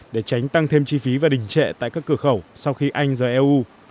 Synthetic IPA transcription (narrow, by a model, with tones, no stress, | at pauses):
ɗe˧˩t͡ɕa˨˦jŋ̟t̪a˧ŋt̪ʰe˧mt͡ɕi˧fi˨˦vaː˨˩ɗï˨˩ŋ̟t͡ɕɛ̰˧˨t̪a̰ː˧˨kaː˦˥kːɨ˧˩əxə˧˩wsa˧wxi˧ʔa˧jŋ̟zəː˨˩ʔɛ˧ʔu˧